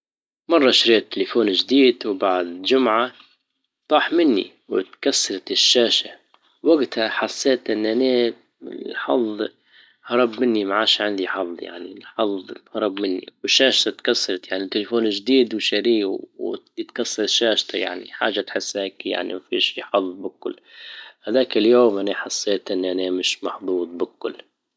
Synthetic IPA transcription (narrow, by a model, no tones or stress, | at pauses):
mɑrˤːɑʃɾiːt̪ʰːɪlefoːnʒd̪iːd̪wbaʕd̪d͡ʒʊmʕa | t̪ˤɑːħmɪnːḭ | wɪt̪kasːɑɾˤɑt̪ɪʃːaːʃa | waɡt̪haħasːeːt̪ʔɪnːʔane | ɪlħɑ̰ðˤ | hɑɾˤɑbmɪnːimaʕaːʃʕɪnd̪iħɑðˤːja̰ʕnilħɑðˤhɑɾˤɑbmɪnːḭwɪʃːaːʃt̪at̪kasːɑɾˤɑt̪jaʕnit̪ːelefoːnʒd̪iːd̪wʃaɾiːwwjt̪kasːɑɾˤʃːaːʃt̪aja̰ʕnḭħa̰ːʒat̪ħɪsːaːkja̰ʕnḭmafiʃiːħɑðˤbɪkʊ̰lːhad̪aːkɪljoːmʔaniħasːeːt̪ʔɪnːʔanemɪʃmɑħd̪ˤuːd̪̚ˤbɪkːʊlː